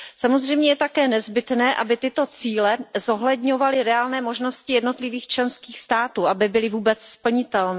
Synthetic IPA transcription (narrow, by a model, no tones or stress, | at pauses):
samo̞zrɛjmɲɛjɛt̪akɛːnɛzbɪt̪nɛːʔabɪt̪ɪt̪o̞t͡siːlɛzo̞ɦlɛdɲo̞valɪɾɛaːlnɛːmo̞ʒnoscɪjɛdno̞t̪lɪviːxt͡ʃlɛnskiːxst̪aːt̪uːʔabɪbɪlɪvuːbɛt͡sspl̩ɲɪt̪ɛlnɛː